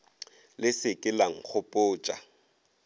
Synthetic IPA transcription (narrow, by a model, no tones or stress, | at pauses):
lɪsɪkʼɪlaŋ̩χʊpʼʊːt͡ʃʼa̰